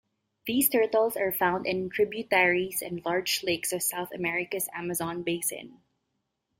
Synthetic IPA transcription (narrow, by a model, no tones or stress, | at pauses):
ðiːstʰɜɹtəl̩ˠzə˞fãʊ̃ndɪ̃ntʰɹ̥ɪbjutɛɹizɛ̃nlɑɹd͡ʒleɪksʌv̥saʊθəmɛɹɪkəsæ̰məzɑ̃nbeɪsɪ̰̃n